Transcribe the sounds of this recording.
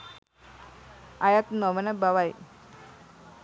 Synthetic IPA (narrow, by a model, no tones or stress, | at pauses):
ajat̪nɔʋənabaʋaj